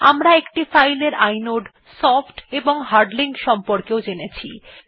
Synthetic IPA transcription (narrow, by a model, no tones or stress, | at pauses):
amɾaekʈifajleɾajnoɖ | sɔfʈeboŋɦaɾɖliŋkʃɔmpoɾkeod͡ʑenet͡ɕʰḭ